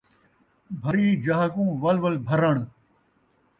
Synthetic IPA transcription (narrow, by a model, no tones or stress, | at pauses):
bʱɐɾiːd͡ʑɐɦkũːʋɐlʋɐlbʱɐɾɐɳ̃